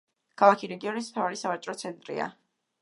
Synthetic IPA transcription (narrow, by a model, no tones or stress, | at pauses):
ɡ̥ʰalˠakʰiɾɛɡiɔnis̬mt̪ʰavaɾisavat͡ʃʼɾɔt̪sʰɛnt̪ʼɾḭa̰